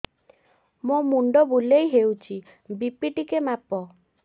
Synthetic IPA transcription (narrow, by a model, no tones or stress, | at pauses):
momuɳɖɔbulejɦewt͡ʃʰi | bipiʈikemapɔ